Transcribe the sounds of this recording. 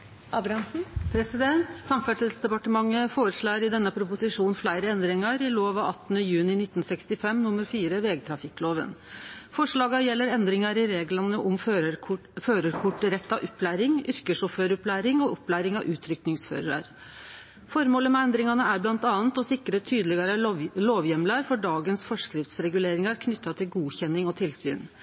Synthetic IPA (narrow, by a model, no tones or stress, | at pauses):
ʔɑbɾɑm̩pʰɾɛsɪd̪ɛnt̪sɑmfæʂɪsd̪ɛpɑʈəmɑŋːəfoːɾəʂɭɑːɾɪd̪ɛnːəpʰɾʊpʊsɪʂuːnflæɪɾəɛnd̪ɾɪŋɑɾɪloːʋɑɑt̪ːnəjʉːnɪnɪt̪ːn̩sɛkst̪ɪfɛmnʊmːəɾfiːɾəʋeːɡt̪ʰɾɑfɪkloːʋə̰nfɔʂɭɑːɡɑjɛlːəɾɛnd̪ɾɪŋɑɾɪɾeːɡlɑnəʔɔmf | føːɾəɾkʰʊʈːɾɛt̪ːɑʔʊpːlæːɾɪŋʏɾkəʂɔføːɾʊplæːɾɪŋɔʔɔpːlæːɾɪŋɑ̰ʔʉːt̪ʰɾʏknɪŋsfø̰ːɾəɾɑ̰ɾ | fɔɾmoːləmɛɛnd̪ɾɪŋɑnəæɾblɑnt̪ɑːnt̪ɔsɪkːɾət̪ʰyːd̪əlɪɡɑɾəloːʋjɛmlɑɾfɔɖɑːɡənsfɔʂkɾɪft̪sɾɛɡʉleːɾɪŋɑɾkʰnʏt̪ːɑt̪ʰɪlɡuːçɛnːɪŋɔt̪ʰɪlsy̰ːn